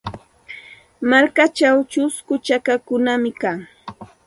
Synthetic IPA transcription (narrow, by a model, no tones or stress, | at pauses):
maɾkat͡ʃawt͡ʃʊskʊt͡ʃakakʊnamɪkaŋ